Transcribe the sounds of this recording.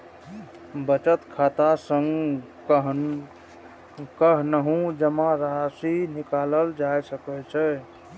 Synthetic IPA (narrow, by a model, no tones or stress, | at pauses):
bət͡ʃət̪kʰat̪asəŋɡ | ɦ | kəɦnəɦũd͡ʒəmãɾasinikaləld͡ʒajsəkɛt͡ʃʰɛ